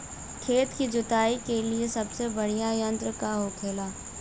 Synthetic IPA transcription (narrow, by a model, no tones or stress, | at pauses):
kʰeːt̪kid͡ʒʊt̪aːikeliesɐbsebɐɽ̤ijajə̃nt̪ɾəkaɦokʰeːlaː